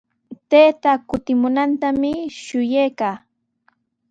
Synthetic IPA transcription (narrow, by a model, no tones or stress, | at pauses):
t̪eːt̪akʊt̪ɪmʊnant̪amɪʃʊjejkaː